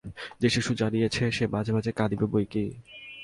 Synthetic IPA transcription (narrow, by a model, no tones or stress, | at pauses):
d͡ʑeʃiʃud͡ʑanijet͡ɕʰeʃebad͡ʑʱebad͡ʑekad̪ibebojki